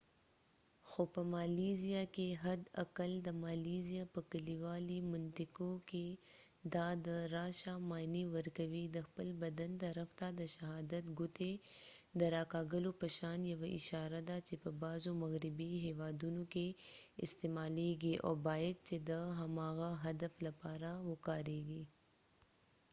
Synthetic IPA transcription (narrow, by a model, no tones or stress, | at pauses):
xopəmaːlizijakeɦɐd̪ɐ̰kəld̪əmaːlizijapəkəliwaːlimʊnt̪ɪkoke | d̪ad̪əɾaːʃamaːniwəɾkɐwid̪əxpəlbɐd̪ɐnt̪ɐɾɐft̪ad̪əʃɐɦaːd̪ɐt̪ɡʊt̪ed̪əɾaːkaːɡəlopɐʃaːnjɐʋaʔɪʃaːɾad̪at͡ʃepəbaːzomɐɣɾɪbiɦɛːʋaːd̪unokeɪ̰st̪eːmaːleːɡiʔɔ̰ːɾbaːjəd̪̚t͡ʃed̪əɦɐmaːɣaɦɐd̪əflɐpaːɾawʊkaːɾeːɡiː